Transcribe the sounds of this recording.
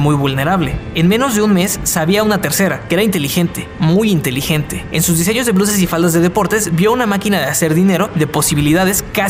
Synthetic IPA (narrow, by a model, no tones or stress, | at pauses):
mujβulne̞ɾaβle̞enmẽ̞no̞zðe̞unme̞sːaβiaunat̪e̞ɾse̞ɾakee̞ɾaint̪e̞lixe̞nt̪e̞mujint̪e̞lixe̞nt̪e̞̥ensuzðise̞ɲo̞zðelus̬e̞s̬ifald̪azðe̞ð̞e̞po̞ɾt̪e̞zbjo̞unamakinaðease̞ɾðine̞ɾo̞ðe̞po̞siβ̞iliðað̞e̞ska